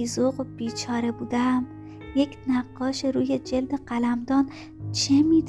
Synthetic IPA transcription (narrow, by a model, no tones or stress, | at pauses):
izoɣob̥iːt͡ʃʰɒːɾe̞buːd̪æm | je̞cʰnæɢːɒːʃeɾuːje̞d͡ʒeld̪e̞ɢælæmd̪ɒːn | t͡ʃʰemiːd̪